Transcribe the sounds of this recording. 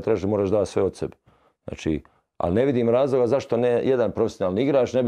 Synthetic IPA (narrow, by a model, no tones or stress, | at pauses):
t̪ɾaːʃmoːɾaːʃd̪aːt̪sʋeot̪sḛbe | zna̰ːt͡ʃḭː | a̰lne̞ʋid̪iːmɾaːzlˠo̞ɡazaʃt̪o̞nejʔed̪anpɾofesjonaːlniiɡɾaːʃneb